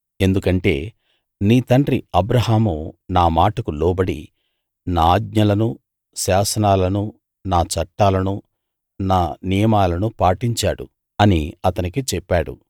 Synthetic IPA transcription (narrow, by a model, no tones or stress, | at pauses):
e̞nd̪ukɐɳʈe̞̰ː | niːt̪ɐɳɖɾiɐbɾɐɦaːmunaːmaːʈɐkulɔːbɐɽḭ | naːɡ̚ɲɐlɐnu | saːsɐnaːlɐnu | naːt͡ʃɐʈːaːlɐnu | naːnijɐmaːlɐnupaːʈiɲt͡ʃaːɽṵ | ɐniɐt̪ɐnikit͡ʃɛpːaːɽṵ